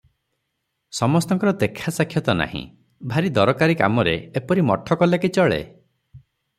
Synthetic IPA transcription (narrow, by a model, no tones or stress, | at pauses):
sɔmɔst̪ɔŋkɔɾɔd̪ekʰːasakʰjɔt̪ɔna̰ɦḭ̃ | bʱaɾid̪ɔɾɔkaɾika̰mɔɾḛepɔɾimɔ̰ʈʰɔkɔlakit͡ʃɔɭḛ